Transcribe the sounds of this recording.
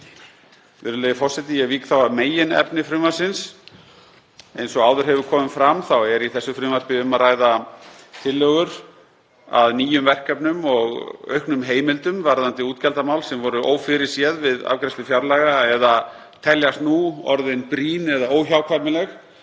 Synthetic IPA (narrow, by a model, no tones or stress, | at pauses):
vɪ̰ɾðʏleːjɪfɔrsɛt̪ɪjɛviːkθawavmeːjɪnɛ̰pnɪfɾʏmasɪns | ḛjnsɔɣaːwðʏɾ̥ɦɛvʏ̥kʰɔːmʏmfɾamθawɛɾiθɛsːʏfɾʏːmaɾ̥pɪʏmaɾaːjðat̪ʰɪlːœɣʏɾ̥ | a̰ðniːjʏmvɛr̥kœpnʏmɔɣœ̰ɥhknʏmɦeːjmɪlt̪ʏmvaɾðant̪ɪuːt̪cɛlt̪amawlsɛmvɔɾʏʔo̰ːwfɪɾɪɾ̥sjɛðvɪða̰vkɾɛst̪ʏfjaɾlaɣaɛða | t̪ʰɛljast̪nuɔ̰ɾðɪnpɾiːnɛðaoːwçawkʰvapmɪlɛx